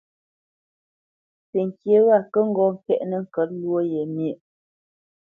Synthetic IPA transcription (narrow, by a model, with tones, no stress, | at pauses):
pe˨ŋ˨kjə˨˦ɣa˦˨kə˦ŋ̩˦ɡɔ˨ŋ̩˨kɛ˦˨ʔnə˨ŋ̩˨kə˨˦tlwo˦je˨mjə˦˨ʔ